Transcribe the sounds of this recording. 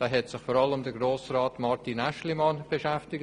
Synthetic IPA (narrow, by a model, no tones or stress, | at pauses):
d̥ɑːɦɛtsɪxfɔːɾɑləmdəɡɾoːsrɑːtmɑɾtinæʃlimɑnb̥eʃɛftɪɡ